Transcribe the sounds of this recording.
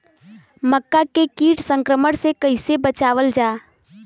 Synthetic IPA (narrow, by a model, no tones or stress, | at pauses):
məkːakekiːʈsə̃ŋkɾəməɽ̃sekəɪsebət͡ʃaːʋəld͡ʒaː